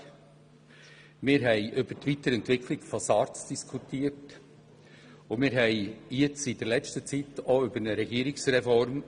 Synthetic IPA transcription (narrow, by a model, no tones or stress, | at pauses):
mɪːɾɦɛɪʔʏb̥ətʋit̪əɾɛntvɪkʰlɪɡ̥fosɑːɾt͡sd̥iskʰutiːəɾt | ʊmɪːɾɦɛɪjɪt͡sid̥əlɛt͡ʃtət͡sit̪oʏbəɾnəɾɛɡ̥iːəɾɪksɾɛfɔɾm